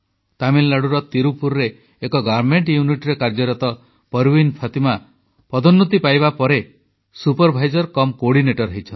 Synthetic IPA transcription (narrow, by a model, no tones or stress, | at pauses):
t̪amillaɽuɾɔt̪iɾupuɾɾeː | kɔɡaɾmeɳʈjuniʈɾekaɾd͡ʒɔɾɔt̪ɔ | pɔɾbinpʰat̪ima | pɔd̪ɔnːut̪ipajβapɔɾe | supɔɾbʱajd͡ʒɔɾkɔmkoɽineʈɔɾɔɦit͡ʃʰɔn